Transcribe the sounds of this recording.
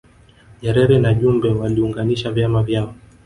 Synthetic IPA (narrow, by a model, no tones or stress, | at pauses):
ʄɛɾɛɾɛnaʄumbɛwaliuŋɡaniʃavjamavjaɔ